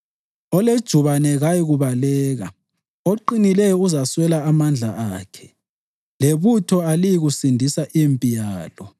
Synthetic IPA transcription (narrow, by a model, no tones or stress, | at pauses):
ɔled̥ʒ̥ʱuβanɛɣajiɣuβalɛːɣa | oǃinilɛjɔuzaswɛlaːmand͡ɮʱaaːkʰɛ̥ | leβutʰɔalijiɣusindʱisaʔimpʼijaːlɔ